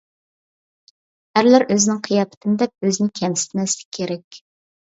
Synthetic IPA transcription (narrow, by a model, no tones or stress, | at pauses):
æɾlæɾʔøzɪnɪŋqʰijɑpʰɪ̥t̪ʰɪnɪd̪ɛp̚øzɪnɪkʲʰɛmsɪ̥t̪mɛslɪ̥kʲʰːeɾɛkʲ